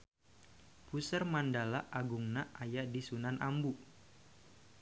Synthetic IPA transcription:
pusərmandalaʔaɡuŋnaʔajaʔdisunanʔambu

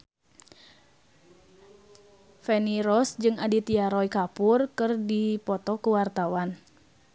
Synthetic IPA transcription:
fɛniɾɔsd͡ʒɨŋadit̪iaɾɔikapurkɨrdipɔt̪ɔkuwart̪awan

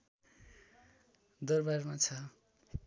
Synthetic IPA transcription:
d̪ʌrbarmat͡sʰʌ

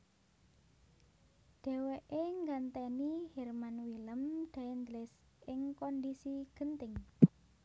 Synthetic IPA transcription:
ɖ̥ɛ̤weʔeŋɡant̪ɛnihɛrmanwiləmɖ̥a̤ɛnd̪lɪs | ʔɪŋkɔndisiɡ̥ə̤nt̪ɪŋ

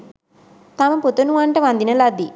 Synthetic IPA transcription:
t̪ɐmɐput̪ːɐnuɐɳʈɐʋɐnd̪inɐlɐd̪i

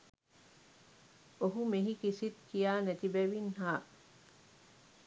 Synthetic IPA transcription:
oɦumiɦikisit̪kijaːnet̪ibeʋinhaː

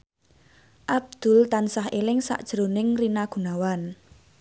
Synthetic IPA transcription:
ʔab̚d̪̥ʊ̤lt̪ansaɦelɪŋsa̰ʔd̥ʒ̥əɾonɪŋrinaɡ̥ṳnawan

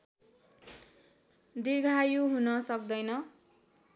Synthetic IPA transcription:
d̪iɡʱajuɦunʌsʌk̚d̪ʌjnʌ

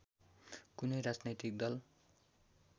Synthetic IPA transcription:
kunʌjɾad͡znʌjt̪ik̚d̪ʌl

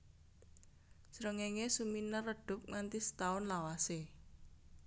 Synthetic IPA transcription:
sɾəŋeŋesuminərːəɖ̥ʊ̤p̚ŋant̪isə̥t̪aʊnlawase

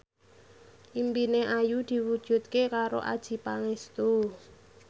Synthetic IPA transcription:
ʔimpineʔajud̪̥i̤wud̥ʒ̥ṳt̪̚kekaɾo̰ʔa̰d̥ʒ̥i̤paŋest̪u

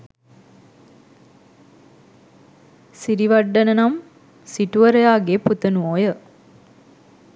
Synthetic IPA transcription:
siɾiʋɐɖːɐnɐnɐm | siʈuʋɐɾɐjaːɡeːput̪ɐnuoːjə

